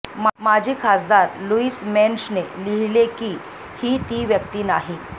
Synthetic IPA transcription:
mad͡ʑʱiːkʰasd̪aɾluiːsmensneliɦilekiː | hiːt̪iːʋjək̚t̪iːnaɦi

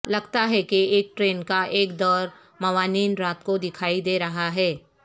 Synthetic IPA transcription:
lɐɡt̪aɦɛkeeːk̚ʈɾeːnkaʔeːkd̪ɔːɾ | mɐʋaːniːnɾaːt̪kod̪ɪkʰaːid̪eːɾɐɦaɦɛː

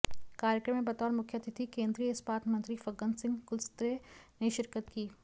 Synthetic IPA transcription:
kaːɾjəkɾəmːẽbɐt̪ɔːɾmʊkʰjət̪ɪt̪ʰikẽːnd̪ɾijəspaːt̪ʰmə̃nt̪ɾifɐɡənsɪ̃ŋɡkʊlst̪ɾeneʃɪɾkət̪kiː

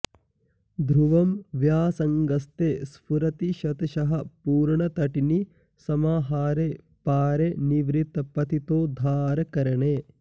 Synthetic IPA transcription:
d̪ʱɾuʋɐmʋjaːsɐŋɡɐst̪eːspuɾɐt̪iʃɐt̪ɐʃɐɦɐpuːɾɳɐt̪ɐʈini | sɐmaːɦaːɾe | paːɾeniʋɾit̪ːɐpɐt̪it̪oːd̪ʱaːɾɐkɐɾɐɳeː

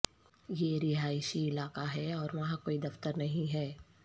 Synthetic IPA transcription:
jeːɾɪɦaːɪʃiɪlaːkaɦɛɔːɾʋɐɦãkoːid̪ɐft̪əɾnɐɦĩɦɛː

